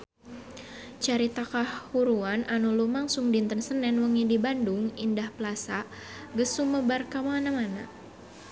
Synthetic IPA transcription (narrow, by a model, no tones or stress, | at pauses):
t͡ʃaɾit̪akahhuɾuananulumaŋsuŋdint̪ənsənɛnwəŋidibandʊŋindahpəlasa | ɡəsuməbarkamanamana